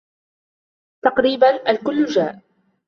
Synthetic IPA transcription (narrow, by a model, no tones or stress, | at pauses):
t̪ɑqɾiːbanʔalkʊlːd͡ʒaːʔ